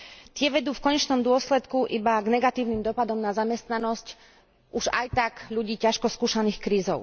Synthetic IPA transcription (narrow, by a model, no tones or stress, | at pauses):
t̪ɪɛʋɛd̪uːfkɔɲɛt͡ʃnɔmd̪ʊɔslɛt̪kuʔibaɡnɛɡat̪iːʊnimd̪ɔpad̪ɔmnazamɛst̪nanɔsc | uʒa̰jt̪aɡʎuɟiːcaʃkɔskuːʃaniːxkɾiːzɔʊ